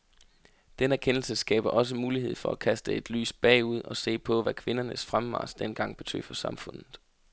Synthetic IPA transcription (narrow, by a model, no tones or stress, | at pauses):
d̥enəæɐkʰen̰l̩səsɡ̥ɛ̰ːb̥ɐʔɒ̽s̬əmuːliɦe̝ð̰ˠfɒ̽ækʰæsd̥əe̝d̥ly̰ːsb̥ɛ̰ːuð̞̰ˠɒ̽se̝̰ːpʰɒ̽ʋækʰʋe̝nɐnəsfʁamʋɑ̰̈ːsd̥enɡ̥ɑ̈ŋ̰b̥e̝t͡sʰø̰ːfɒ̽sɑ̈mfɔ̽n̰ð̩ˠ